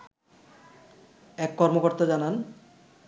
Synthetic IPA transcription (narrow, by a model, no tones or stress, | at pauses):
ɛkːɔɾmokoɾt̪ad͡ʑanan